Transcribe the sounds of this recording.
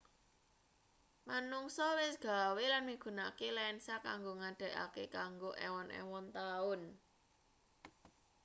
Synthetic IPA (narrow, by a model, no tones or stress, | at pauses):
manuŋsɔwɪsɡ̥a̤welanmiɡ̥ṳna̰kelɛnsaka̰ŋɡoŋaɖ̥ə̤ʔa̰kekaŋɡoʔɛwɔnʔɛ̰wɔnt̪aʊn